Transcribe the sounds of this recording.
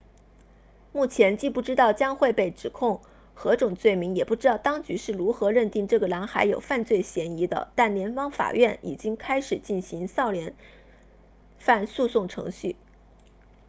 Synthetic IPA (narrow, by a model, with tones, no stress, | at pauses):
mu˥˩t͡ɕʰjɛ˧˥nt͡ɕi˥˧pu˥˩ʈ͡ʂɻ̩˥t̪ɑ˥˩ʊt͡ɕjɑ˥ŋxwe˥˧ɪpe˥˩ɪʈ͡ʂɻ̩˨˩kʰʊ˥˩ŋ | xɤ˧˥ʈ͡ʂʊ˨˩ŋt͡swe˥˩ɪmi˧˥ŋjɛ˨˩pu˥˩ʈ͡ʂɻ̩˥t̪ɑ˥˩ʊt̪ɑ˥ŋt͡ɕy˧˥ʂɻ̩˥˩ɻu˧˥xɤ˧˥ɻə˥˧nt̪i˥˧ŋʈ͡ʂɤ˥˩ɡə˩lɑ˧˥ŋxa˧˥ɪjo˨˩ʊfa˥˧nt͡swe˥˩ɪɕjɛ˧˥ni˧˥d̪ə̰˧t̪a˥˩nljɛ˧˥npɑ˥ŋfa̰˨˩ɥʔɛ˥˩nʔḭ˨˩t͡ɕi˥ŋkʰa˥ɪʂɻ̩˨˩t͡ɕi˥˩nɕi˧˥ŋsɑ˥˩ʊljɛ˧˥n | fa˥˧nsu˥˧sʊ˥˩ŋʈ͡ʂʰɤ̰˧˥ŋɕy˥˩